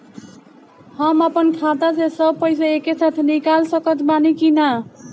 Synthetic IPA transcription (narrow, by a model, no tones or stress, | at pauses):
həmapənkʰat̪asesəb̚pəɪs̬aekesat̪ʰnikalsʌkət̪banikina